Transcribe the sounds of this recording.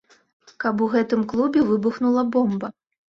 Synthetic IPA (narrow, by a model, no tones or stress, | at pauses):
kɐp̬uɣɛt̪ɨmklˠubʲɛvɨbuxnulˠɐbɔmbɐ